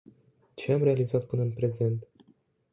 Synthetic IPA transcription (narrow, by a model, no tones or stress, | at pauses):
t͡ʃe̞amɾe̞alizat̪̚pɨnəɨnpɾe̞ze̞nt̪